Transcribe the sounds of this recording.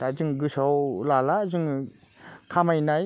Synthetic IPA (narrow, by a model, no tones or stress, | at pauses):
tazɯŋɡɯsawlalazɯŋ | kʰamajnaj